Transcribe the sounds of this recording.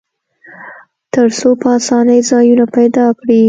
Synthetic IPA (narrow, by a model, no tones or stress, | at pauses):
t̪əɾsopəɑsɑnəjzɑjunapajd̪ɑkɽi